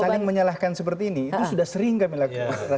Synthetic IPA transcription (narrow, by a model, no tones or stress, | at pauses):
alɪŋməɲalahkansəp̬ərt̪iːniːt̪usudahsəɾɪŋkamilakaa